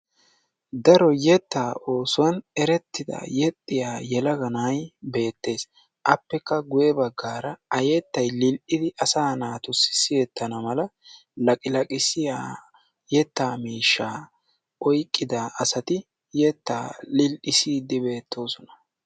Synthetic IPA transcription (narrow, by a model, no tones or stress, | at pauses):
d̪ɐɾɔjɛt̪ːaːʔo̞ːsʊwɐnɛɾɛt̪ːɪd̪ɐ̰jɛt̪ʼːɪjaːjɛlɐɡɐnajbe̞ːt̪ːe̞ːs | ʔɐpːɛkːɐɡʊjɛbɐɡːaːɾɐɐjɛt̪ːɐjlɪlʔɪd̪ɪʔɐsaːnaːt̪ʊsɪ̥sɪjɛt̪ːɐnɐmɐlɐ | lɐkʼɪlɐkʼɪsɪja | jɛt̪ːaːmiːʃːaː | ɔjkʼːɪd̪aʔɐsɐt̪ɪ | jɛt̪ːa̰ːlɪlʔɪsiːd̪ɪbe̞ːt̪ʰːo̞ːsɔnɐ̥